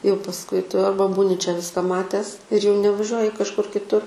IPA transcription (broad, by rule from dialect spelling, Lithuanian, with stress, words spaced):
jɛʊ pɐsˈkʊɪ ˈtʊ ˈɐrbɐ ˈbuːnʲɪ t͡ʃʲɛ ˈʋʲɪskɐ ˈmɑːtʲæːs ɪr jɛʊ nʲɛʋɐˈʒʲuɔjɪ kɐʃˈkʊr kʲɪtˈʊr